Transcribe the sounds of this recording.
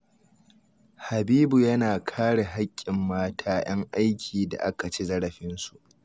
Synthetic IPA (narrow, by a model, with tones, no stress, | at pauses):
ha˨biː˦bu˨jɐ˦naː˨kʰaː˦ɽe˨ɦa˦kʲʼːɪ˨mːaː˦tʰaː˦j̰ɐ˦ŋʔa˦jkʲʰiː˨da̰˨ʔa˦ka˨t͡ʃe˦zɐ˦ɽɐ˨ɸɪ˦nsu˨ʔ